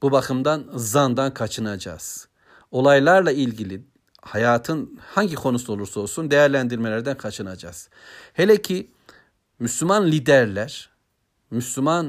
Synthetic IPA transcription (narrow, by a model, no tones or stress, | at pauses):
b̥ubakʰɯmd̪anzand̪ankʰat͡ʃʰɯnad͡ʒa̰z̥ | o̞lˠajlˠaɾlˠailʲɟilʲi | hajaːt̪ʰɯnhaɲɟikʰo̞nusuo̞lˠuɾsao̞lˠsund̪e̞jæɾlʲænd̪iɾme̞lʲæɾd̪ænkʰat͡ʃʰɯnad͡ʒa̰ːz̥ | helʲecʰi | myslʲymanlʲid̪æɾlʲæɾ̥ | myslʲyman